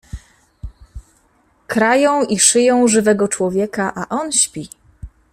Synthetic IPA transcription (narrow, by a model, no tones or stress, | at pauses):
kɾajɔ̃w̃iʂɘjɔ̃w̃ʐɘvɛɡɔt͡ʂwɔvʲjɛkaʔaʔɔnɕpʲi